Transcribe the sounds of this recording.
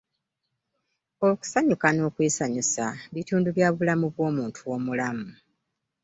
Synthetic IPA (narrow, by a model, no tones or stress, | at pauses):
oku̥saɲukano̞ːkweːsaɲusaβituːnduβjaːβulamuβwo̞ːmuːntʰuwo̞mulamu